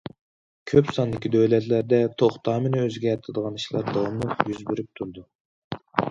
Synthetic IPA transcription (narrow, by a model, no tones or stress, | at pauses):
kʲʰøpsɑnd̪ɪkʲid̪øwlɛt̪læɾd̪ɛt̪ʰoχt̪ʰɑːmɪnɪøzɡʲɛɾt̪ʰɪd̪əʁɑni̥ʃlˠɑ̰ɾd̪ɑwɑmlˠɨqjyzbyɾyp̚t̪ʰuɾd̪u